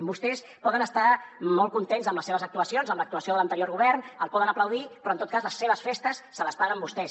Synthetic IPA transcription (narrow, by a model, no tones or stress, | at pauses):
mbust̪ɛs | pɔðənəst̪amɔlˠkunt̪enzəmləseβəzək̚t̪uəsionzəmlək̚t̪uəsioðələnt̪əɾjoɾɣuβɛrnəlˠpɔðənəpləwðipɾɔnt̪ot̪̚kazləsːeβəsfest̪əsːələspaɣəmbust̪ɛs